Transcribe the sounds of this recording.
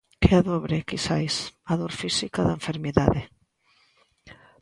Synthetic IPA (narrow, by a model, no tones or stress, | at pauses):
keaðɔβɾɪkisajsaðoɾfisikaðaeɱfeɾmiðaðɪ